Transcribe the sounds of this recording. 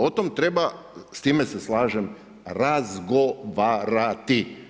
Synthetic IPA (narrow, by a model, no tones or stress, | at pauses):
ot̪omt̪ɾeba | st̪iːmese̞slaːʒem | ɾazɡoʋaɾat̪i